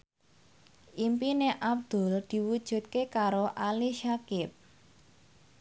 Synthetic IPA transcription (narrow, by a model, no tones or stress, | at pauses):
ʔimpineʔab̚d̪̥ʊ̤ld̪̥i̤wud̥ʒ̥ṳt̪̚kekaɾoʔaliʃakɪp̚